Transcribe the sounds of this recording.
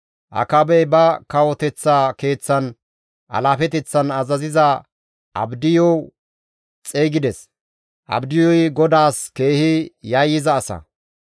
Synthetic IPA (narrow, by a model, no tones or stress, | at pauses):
ʔɐ̰kɐbɛjbɐkɐwɔt̪ɛt͡sːaːke̞ːt͡sːɐn | ʔɐ̰laːfɛt̪ɛt͡sːɐnɐzɐzɪzɐ | ʔɐbd̪ɪjɔw | t͡sʼeːɡɪd̪ɛs | ʔɐ̰bd̪ɪjɔjɡɔd̪aːske̞ːhɪjɐjːɪzɐːsɐ̰